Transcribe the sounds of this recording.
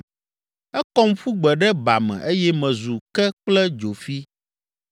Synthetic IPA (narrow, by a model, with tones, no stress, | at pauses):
ɛ˦kɔ˦m˦fu˦ɡ͡bɛ˨ɖɛ˦ba˨mɛ̰̃˨ʔe˦jɛ˦mɛ̃˨zu˨kɛ˦k͡plɛ˦d͡ʒo˨fi˦